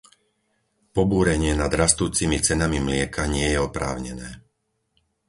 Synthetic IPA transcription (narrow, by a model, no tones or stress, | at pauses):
pɔbuːɾɛɲɪɛnad̪ɾast̪uːt͡simit͡sɛnamimlɪɛkʰaɲɪɛjɛɔpɾa̰ːʊɲɛnɛː